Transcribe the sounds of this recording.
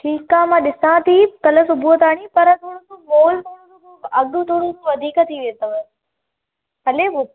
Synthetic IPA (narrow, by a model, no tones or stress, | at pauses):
ʈʰiːkaːmãːɗɪsãt̪ʰiːkɐləsʊbʱut̪aːɳ̃ipɐɾət̪ʰoːɽusumoːlt̪ʰoːɽũsu | ɐɠut̪ʰoːɽ̃ũsuʋɐd̪ʱiːkət̪ʰiʋet̪ɐʋə | ɐleːbo